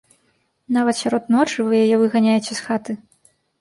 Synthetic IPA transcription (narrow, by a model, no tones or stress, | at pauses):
navɐt̪sʲaɾɔt̪nɔt͡ʂɨvɨjajɛvɨɣanʲajɛt͡sʲɛsxat̪ɨ